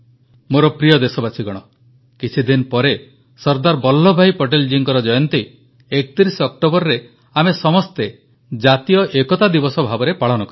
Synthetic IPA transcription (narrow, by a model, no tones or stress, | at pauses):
moɾɔpɾijɔd̪esɔbat͡ʃʰiɡɔɽ̃ɔ | kit͡ʃʰid̪inpɔɾe | sɔɾd̪aɾbɔlːɔbʱajpɔʈ̬eld͡ʒiŋkɔɾɔd͡ʒɔjɔnt̪i | ek̚t̪iɾisɔk̚ʈobɔɾɾe | amesɔmɔst̪e | d͡ʒat̪ijɔʔekɔt̪ad̪ibɔsɔbʱabɔɾepaɭɔnɔkɔɾi